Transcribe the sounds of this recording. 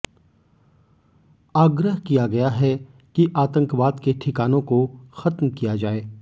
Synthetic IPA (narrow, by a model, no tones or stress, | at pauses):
aːɡɾəɦkijaɡɐjaɦɛ | kiʔaːt̪ə̃ŋkʋaːd̪keʈʰɪkaːnõkoxɐt̪mkijad͡ʒaːeː